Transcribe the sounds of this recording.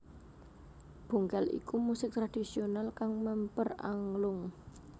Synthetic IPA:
b̥ṳŋkalḭkumusɪk̚t̪ɾad̥isionalkaŋməmpəra̰ŋlʊŋ

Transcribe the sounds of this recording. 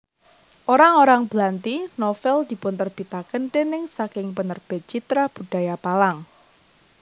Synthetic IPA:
ʔoɾaŋoɾaŋb̥lant̪inofɛld̪̥i̤pʊnt̪ərb̥it̪akənʈ̪enɪŋsakɪŋpənərb̥ɛ̤t̪̚t͡ʃit̪ɾab̥uɖ̥a̤japalaŋ

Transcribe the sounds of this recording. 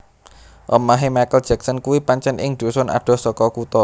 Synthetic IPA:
ʔɔmaɦemajkəld̥d͡ʒ̥ɛksənkuwipaɲt͡ʃɛnʔɪ̰ŋd̪̥o̤sɔna̰ɖ̥ɔ̤sɔkɔkut̪ɔ

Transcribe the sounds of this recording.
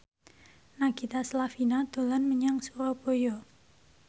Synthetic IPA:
naɡ̥it̪aslafinad̪̥o̤lanməɲaŋsuɾɔb̥ojɔ

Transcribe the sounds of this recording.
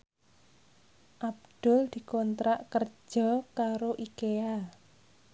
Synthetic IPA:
ʔab̚d̪̥ʊ̤ld̪̥i̤kɔnt̪ɾaʔkər̥ʒ̥ɔ̤kaɾoʔikea

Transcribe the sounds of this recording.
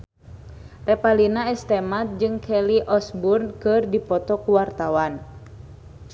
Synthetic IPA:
rɛpalinaɛst̪ɛmat̪̚d͡ʒɨŋkʰɛliʔɔsburnkɨrdipɔt̪ɔkuwart̪awan

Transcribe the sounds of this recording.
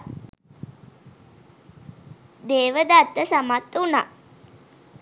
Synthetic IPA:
d̪eːʋəd̪at̪ːəsamat̪ːuna̰

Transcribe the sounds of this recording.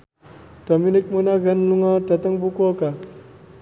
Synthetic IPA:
tominik̚munaɣənluŋatat̪əŋbukoka

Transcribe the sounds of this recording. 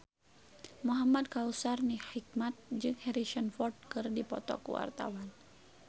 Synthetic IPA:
muɦamad̚kausarnihik̚mat̪̚d͡ʒɨŋhɛɾiʃənfɔrd̪̚kɨrdipɔ̰t̪ɔ̰kṵwa̰rt̪a̰wan

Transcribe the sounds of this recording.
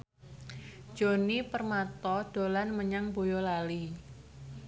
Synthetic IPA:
d͡ʒ̥onipərmat̪ɔd̥o̤lanməɲaŋbo̤jɔlali

